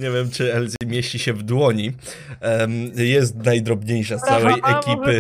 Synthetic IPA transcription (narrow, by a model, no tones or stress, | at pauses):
ɲevʲjɛmt͡ʂɘɛlzʲimʲjeɕt͡ɕiɕɛvd̪wɔɲi | jɛs̬t̪najd̪ɾɔbɲejʂat̪sawɛjʔɛkʲipɘ